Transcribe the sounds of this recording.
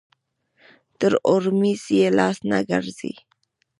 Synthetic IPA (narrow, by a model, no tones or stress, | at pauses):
t̪əɾoɾmisielasna̰ɡa̰ɾzḭ